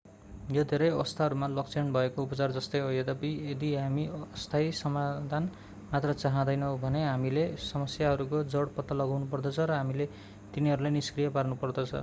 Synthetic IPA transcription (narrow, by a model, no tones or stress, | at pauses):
jod̪ʱeɾʌjʌst̪ʰaɦʌɾumalʌk̚t͡sʰenbʱʌekoupʌt͡sard͡zʌst̪ʌjɦojed̪ʌpied̪iɦamiʌst̪ʰajsʌmad̪ʱan | mat̪rʌt͡saɦãd̪ʌjnʌwbʱʌneɦamilesʌmʌsjaɦʌɾukod͡zʌɽpʌt̪ːalʌɡawnupʌrd̪ʌt͡sʰʌɾʌɦamile | t̪iniɦʌɾulajniskrijʌparnupʌrd̪ʌt͡sʰʌ̰